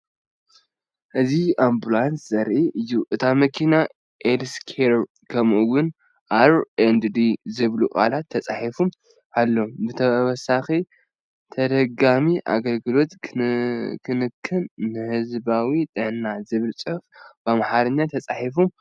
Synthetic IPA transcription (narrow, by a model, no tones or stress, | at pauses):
ʔɨziambulanszɐɾʔiʔɨjːuʔɨt̪ʰamɐkʰina | ʔelskʰeɾ | kʰɐmuwʊn | ʔaɾend̪d̪izɨβlukʼa̰lat̪ʰːɐt͡sʼaħifum | ʔalːo̞bɨt̪ʰɐwɔsaxi | t̪ʰɐd̪ɐɡamiʔa̰ɡɐlɡɨlo̞t̪ | kʰɨnɨkʰːɨnːɨhɨzbawit̪ʼɨʕnːazɨβɨlt͡sʼɨfbamaħaɾɐɲːat̪ʰɐt͡sʼaħifum